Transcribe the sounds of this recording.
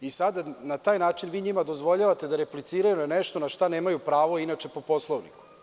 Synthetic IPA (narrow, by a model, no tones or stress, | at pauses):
isad̪anat̪aːjnaːt͡ʃinʋiːɲimad̪o̞zʋoʎaʋat̪e̞d̪aɾeplit̪siːɾajunaneʃt̪o̞naʃt̪aneːmajupɾaːʋoinat͡ʃe̞po̞poslˠoʋniku̥